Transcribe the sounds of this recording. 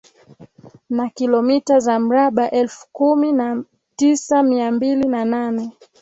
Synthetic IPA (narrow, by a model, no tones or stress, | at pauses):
nakilɔmitazam̩ɾaɓaʔɛlfu̥kumina | tisamiambilinananɛ